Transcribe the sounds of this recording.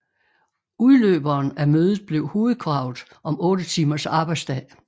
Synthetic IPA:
uðˠlø̰ːb̥ɐːnæmøːðˠð̩ˠb̥le̝ʊho̝ːð̩ˠkʰʁɑ̈ʊ̰ð̩ˠ | ʔɒ̽mɔ̽ːɾət͡sʰiːmɐsɑ̈b̥ɑ̈ɪ̥sd̥ɛ̰ɪ

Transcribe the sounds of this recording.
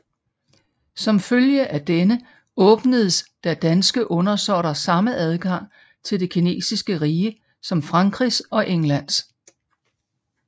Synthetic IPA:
sɒ̽mføljəʔæd̥enə | ɔ̽ːb̥nəð̩ˠsd̥æd̥ænsɡ̥əʔɔ̽nɐsɒɾ̥ɐsɑ̈məʔæð̞ˠɡ̥ɑ̈ŋ̰ | t͡sʰe̝ld̥e̝kʰine̝̰ːsisɡ̥əʁiːə | sɒ̽mfʁɑ̈ŋɡ̥ʁisɒ̽ʔeŋlæn̰s

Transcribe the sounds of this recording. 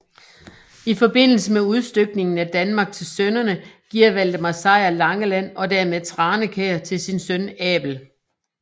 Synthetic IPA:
ifɒ̽be̝n̰l̩səmeuð̞ˠsd̥øɡ̥̚ne̝ŋn̩æd̥ænmɑ̈ːɡ̥̚t͡sʰe̝lsønɐnəɡ̥iɐ̰ʋæl̰d̥əmɑ̈sɑ̈ɪɐlɑ̈ŋəlæn̰ɒ̽dæɐmeðˠt͡sʰʁɑ̈ːnəkʰeɐt͡sʰe̝lsinsœnɛ̰ːb̥l̩

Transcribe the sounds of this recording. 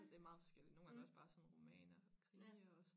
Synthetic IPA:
d̥e̝æmɑ̈ːð̞̩ˠfɒ̽sɡ̥el̰id̥no̝ːn̩ŋɡaŋːɒ̽sb̥ɑ̈ːsɒ̽nʁomɛːnɐkʰʁiɒs

